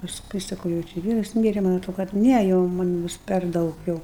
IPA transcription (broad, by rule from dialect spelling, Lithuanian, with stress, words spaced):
pɐsˈkʊɪ sɐˈkɐʊ jɛʊ ˈt͡ʃʲɪ ɪ ˈʋʲiːrɐs ˈmʲiːrʲɛ mɐnʲ ɐˈtroː kɐt ˈnʲɛ jɛʊ mɐn ˈbʊs pʲɛr ˈdɐʊk jɛʊ